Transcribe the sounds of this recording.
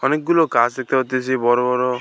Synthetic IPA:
ɔnek̚ɡulokasek̚t̪aɦot̪isibɔɾɔbɔɾɔ

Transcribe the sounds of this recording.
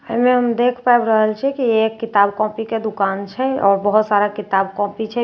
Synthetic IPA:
ə̰imeɦəmd̪ekʰpaebɾəɦəlt͡ʃʰikiekːit̪abkɔ̃piked̪ukant͡ʃʰɛɔːɾbəɦut̪saɾakit̪abkɔ̃pit͡ʃʰɛ

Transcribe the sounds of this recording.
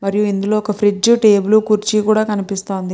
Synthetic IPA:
mɐɾijuind̪ulo̞ːɔkɐpʰɾid͡ʒuʈe̞ːbulukuɾt͡ʃikuːɽaːkɐnipist̪o̞ːnd̪i

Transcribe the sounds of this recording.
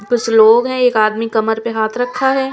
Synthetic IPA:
bɪsloːɡɦɛ̃eːkaːd̪mikɐməɾpeɦaːt̪ʰɾɐkʰːaɦɛː

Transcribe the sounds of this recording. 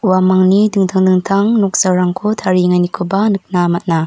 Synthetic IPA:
wamaŋnidɯŋtʰaŋdɯŋtʰaŋnɔk̚sawɾaŋkʰutʰaɾiŋanikʰubanɯk̚namat̚na

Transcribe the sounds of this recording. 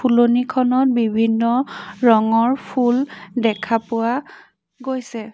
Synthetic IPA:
pʰulonikʰɔnɔt̚bibʱinːɔɹɔŋɔɹpʰuldɛkʰapʊwa | ɡojsɛ

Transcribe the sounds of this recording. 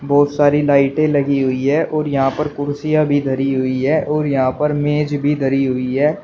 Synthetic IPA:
bɔːt̪saːɾilaːɪʈẽlɐɡiɦʊiɦɛːʔɔːɾjɐɦãpəɾkʊɾsɪjabʱid̪ʱəɾiɦʊiɦɛːʔɔːɾjɐɦãpəɾmẽːd͡ʒbʱid̪ʱəɾiɦʊiɦɛː

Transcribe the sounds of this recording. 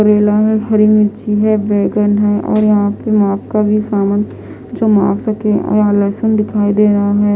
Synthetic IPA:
əɾeːlaɦɛɦɐɾimɪt͡ʃiɦɛʋɛːɡənɦɛʔɔ̰ːɾjɐɦãpemaːpkabʱisaːmən | d͡ʒoːma̰ːɡsɐkẽʔɔ̰ãlɛːsənd̪ɪkʰaːid̪eːɾɦaɦɛː

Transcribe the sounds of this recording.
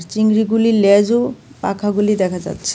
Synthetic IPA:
ɾt͡ɕiŋɡɾiɡulilɛd͡ʑupa̰kʰaɡulid̪ɛkʰad͡ʑa̰tːɕʰe̥

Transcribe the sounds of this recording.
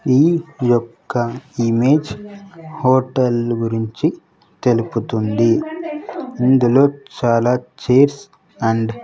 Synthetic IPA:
iːjɔkːɐimeːd͡ʒ | hoːʈɐlɡuɾiɲt͡ʃi | t̪e̞luput̪und̪i | ind̪ulo̞ːt͡ʃaːlaːt͡ʃeːɾs | ɐɳɖ

